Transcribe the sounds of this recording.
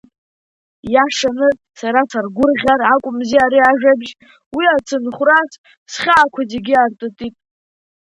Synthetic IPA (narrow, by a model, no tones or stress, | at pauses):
jaʂanɨ | saɾasarɡʷʊrʁʲaɾakʷʼʊmziaɾiaʒᶣabʒ | wiat͡sʰɨnχʷras | sχʲaːkʷʰazeɡʲɪartʼotʼitʼ